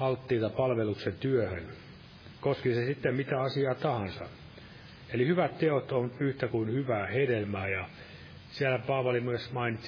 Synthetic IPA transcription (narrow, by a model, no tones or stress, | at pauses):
ɑlt̪ːiːt̪ɑpɑlʋeluksent̪yøhø̰n | koskisesit̪ːemmit̪æɑsiɑːt̪ɑhɑnsɑ̰ | elihyʋæt̪t̪eot̪onyht̪ækuinhyʋæːhedelmæːjɑ | siælæpɑːʋɑlimyøsmɑinit̪s